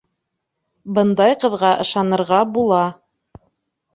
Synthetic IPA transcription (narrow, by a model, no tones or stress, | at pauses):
bɤ̆nd̪ɑjqɤ̆ðʁɑʔɤ̆ʃɑnɤ̆ɾʁɑbulˠɑ